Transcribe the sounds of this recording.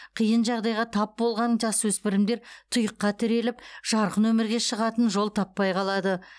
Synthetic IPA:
qʰijənʒɑʁd̪ɑjʁɑt̪ʰɑp̚bo̞lˠʁɑnɴd͡ʒɑswɵspɪɾɪmd̪e̞ɾt̪ʰʊjəqːɑt̪ʰɪɾe̞lɪpʒ̥ɑɾqənwɵmɪɾɡʲe̞ʃəʁɑt̪ənʒo̞lˠt̪ʰɑpːɑjqʰɑlˠɑd̪ə

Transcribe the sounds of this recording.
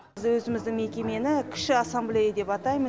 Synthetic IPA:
zwɵzɪmɪzd̪ɪŋme̞kʲe̞me̞nɪkʲʰɪ̥ʃɪasamblʲejad̪e̞pɑt̪ɑjmə

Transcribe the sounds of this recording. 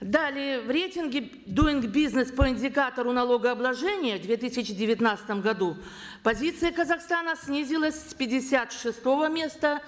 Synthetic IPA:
d̪alʲɪvɾʲetʲɪnɡʲɪ | d̪uɪnɡbʲiznəspəɪnʲdʲɪkat̪əɾʊnɐlˠoɡəɐblˠɐʐɛnʲɪjəvd̪vʲet̪ɨsʲɪt͡ɕɪdʲɪvʲɪt̪nat̪sɨ̥t̪əmɡɐd̪u | pɐzʲit̪sɨjəkəzɐxst̪anəsʲnʲizʲɪlˠəsʲspʲɪdʲɪsʲat̪ʂɨst̪o̞vəmʲe̞st̪ə

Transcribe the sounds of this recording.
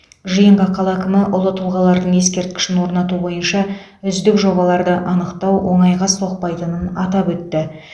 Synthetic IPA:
ʒijəɴqɑqʰɑlˠɑkʲɪmɪʔʊlˠət̪ʰulˠʁɑlˠɑɾd̪əɴe̞skʲe̞ɾt̪̚kʲɪ̥ʃɪnwo̞ɾnɑt̪ubo̞jənʃɑ | ʏzd̪ɪkʒo̞βɑlˠɑɾd̪əʔɑnəqt̪ɑwwo̞ɴɑjʁɑso̞q̚pɑjt̪ənənɑt̪ɑpwɵt̪ːɪ

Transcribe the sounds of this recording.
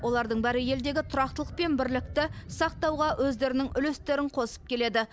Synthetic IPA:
wo̞lˠɑɾd̪əɴbæɾɪje̞ld̪e̞ɡʲɪt̪ʰʊɾɑq̚t̪əlˠəq̚pe̞nbɪɾlɪk̚t̪ɪsɑq̚t̪ɑwʁɑwʔɵzd̪e̞ɾɪnɪŋʔʏlest̪e̞ɾɪŋqʰo̞sə̥p̚kʲʰe̞le̞d̪ɪ

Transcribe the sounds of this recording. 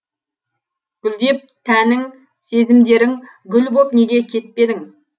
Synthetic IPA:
ɡ̥ʏlˠd̪e̞p̚t̪ʰænɪŋ | se̞zɪmd̪e̞ɾɪŋ | ɡʲʏlbopne̞ɡʲe̞kʲʰe̞t̪̚pe̞d̪ɪŋ

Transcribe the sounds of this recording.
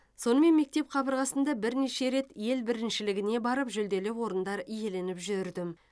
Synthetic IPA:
so̞nəme̞nme̞k̚t̪e̞pqʰɑbəɾʁɑsənd̪ɑbɪɾne̞ʃe̞ɾe̞t̪je̞lbɪɾɪnʃɪlɪɡʲɪne̞bɑɾəpʒʏld̪e̞lɪwo̞ɾənd̪ɑɾije̞le̞nɪpʒʏɾd̪ɪm

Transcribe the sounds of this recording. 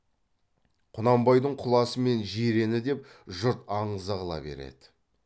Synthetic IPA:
qʰʊnɑmbɑjd̪əɴqʰʊlˠɑsəme̞nʒeɾe̞nɪd̪e̞pʒʊɾt̪ɑɴəzəʁəlˠɑ̰be̞̰ɾḛd̪̥ɪ̥

